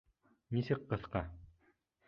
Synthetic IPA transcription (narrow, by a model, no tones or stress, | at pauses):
nisɘkqɤ̆θqɑ